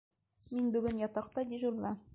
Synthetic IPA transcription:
minbɵ̆ɡɵnjɒt̪ɑqt̪ɑd̪iʒuɾlˠɑ

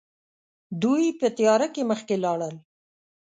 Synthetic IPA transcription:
d̪ujpət̪ijɑɾakeməxkelɑɽəl

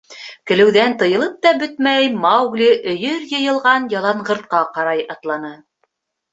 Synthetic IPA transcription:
kɘ̆lɘ̆wðænt̪ɤ̆jɤ̆lˠɤp̚t̪ɑbɵt̪̚mæjmɑwɡlʲiʔɵ̆jɵɾjɤ̆jɤ̆lˠʁɑnjɑlˠɑɴʁɤ̆ɾt̪̚qɑqɑɾɑjɑt̪lˠɑnɤ

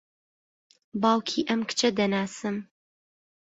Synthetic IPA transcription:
baːwkʰiːʔɐmkt͡ʃʰɐd̪ɐnaːsɨm

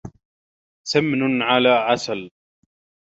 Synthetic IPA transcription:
samnʊnʕalaːʕasal

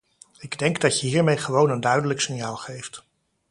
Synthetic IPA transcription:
ɪɡdɛŋɡdɑtjəɦiːɹmejχəʋownəndœɥdələksɪɲjaːlˠχejft

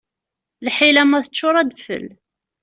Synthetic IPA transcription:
lħilæmæθət͡ʃːʊɾˤæd̪fə̰l

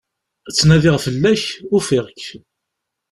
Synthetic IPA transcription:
t͡sːnæðɪʁfəlːæçʊfɪʁkː

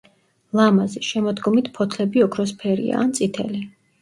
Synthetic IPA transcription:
lˠamazɛʃɛmɔd̪ɡɔmit̪ʰpʰɔt̪ʰlɛbiɔkʰɾɔspʰɛɾḭa̰ːnt̪sʼit̪ʰɛ̰li

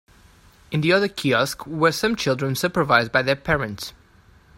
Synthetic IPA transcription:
ɪ̃nðiʌðəkʰiɔskwəsʌ̃mt͡ʃʰɪlˠdɹə̃nsʉpə˞vaɪzbaɪðəpʰɛɹə̃nts

